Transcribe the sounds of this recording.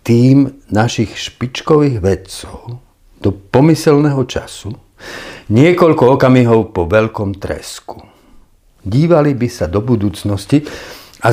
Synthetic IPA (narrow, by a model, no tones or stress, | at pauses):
t̪iːmnaʃixʃpit͡ʃkɔʋiːɣʋɛt͡sɔʊ | d̪̥ɔpɔmisɛlnɛɦɔt͡ʃasu | ɲɪɛkɔʎkɔɔkamiɦɔʊpɔʋɛʎkɔmt̪ɾɛ̰sku̥ | ɟiːʋalibisad̪ɔbud̪uːt͡snɔsci | a